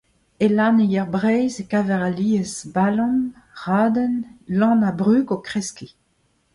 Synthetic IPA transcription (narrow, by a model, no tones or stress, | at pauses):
elaːnejɛʁbʁɛjzekaːvɛʁaliːəzbalɔ̃m | ʁaːd̪ənlɑ̃nabʁyːkokχɛski